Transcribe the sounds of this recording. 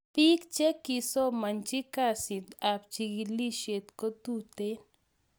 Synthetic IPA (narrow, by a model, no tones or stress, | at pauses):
pikt͡ʃekisomɐnt͡ʃikasit̪aːp̚t͡ʃiɡiliʃet̪kot̪uːt̪en